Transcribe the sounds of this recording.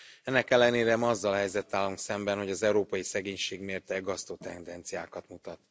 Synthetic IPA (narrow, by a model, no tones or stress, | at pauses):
ɛnːɛkɛlːɛneːɾɛmɒzːɒlhɛjzɛt̪ːaːlːuŋksɛmbɛnho̞ɟɒzɛuɾoːpɒjisɛɡeːɲʃeːɡmeːrt̪ɛɡɒst̪ot̪ɛnd̪ɛnt̪sijaːkɒt̪mut̪ɒt̪